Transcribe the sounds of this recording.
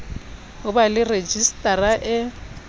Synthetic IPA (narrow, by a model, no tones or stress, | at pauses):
ɦʊbalɪred͡ʒistʼaraʔɪ